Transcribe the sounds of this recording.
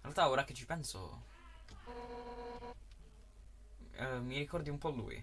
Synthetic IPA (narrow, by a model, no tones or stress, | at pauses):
inɾealt̪aoɾak̟et͡ʃːipɛnso̰ | mːiɾikɔrd̪iumpɔlːṵːj̰